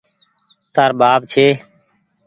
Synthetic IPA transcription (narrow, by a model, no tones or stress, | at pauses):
t̪aːɾbaːb̚t͡ʃʰeː